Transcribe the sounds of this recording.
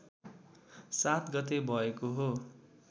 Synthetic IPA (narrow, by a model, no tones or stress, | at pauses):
sat̪ɡʌt̪̬ebʱʌekoɦo